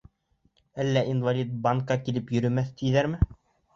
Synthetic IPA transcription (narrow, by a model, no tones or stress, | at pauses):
ælːæʔinvalʲit̪̚baŋkɑkilɘpjɵ̆ɾɵ̆mæθt̪ĭjðæɾmɘ